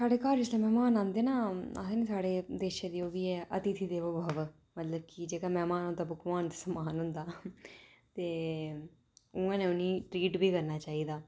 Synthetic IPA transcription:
saːɽeːkaːɾd͡ʒɪslẽːmɛːmaːnãːnd̪eːnaːseːnĩːsaːɽeːd̪eːʃẽːd̪iːoːʋiːɛːʔət̪it̪ʰid̪eːʋəbʱəʋ | mət̪ləb̚kid͡ʒeːkaːmɛːmaːnõnd̪aːbʊkmaːnt̪isəmaːnɦʊnd̪aː | t̪eː | ʊŋɡãːnẽːʊniːʈɾiːʈbʱiːkəɾnaːt͡ʃaːiːd̪aː

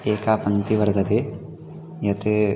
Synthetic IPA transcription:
eːkaːpɐnt̪iʋɐɾt̪ɐd̪e | jɐt̪e

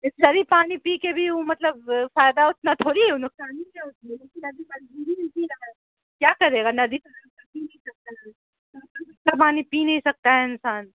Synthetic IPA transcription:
ɪsd͡ʒɐɾipaːnipiːkebʱiomɐt̪ləbfaːɪd̪aʊt̪nat̪ʰoːɾinʊksaːnikeʊt̪nileːkinɐd̪imɐnd͡ʒʱuːɾit̪inɐɡə | kjaːkɐɾeːɡanɐd̪isɐɐk̚kapinɐɦĩsɐk̚t̪aɦɛ | t̪ɐtɪskapaːnipinɐɦĩsɐk̚t̪aɦɛɪnsaːn

